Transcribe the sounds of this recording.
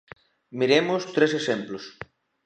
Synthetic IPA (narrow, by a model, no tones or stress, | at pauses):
miɾemost̪ɾes̬esẽmplos